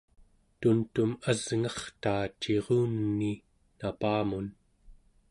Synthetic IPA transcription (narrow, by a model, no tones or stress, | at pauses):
t̪unt̪umazŋɑχt̪aːt͡ʃːeʁuːnːi | napaːmun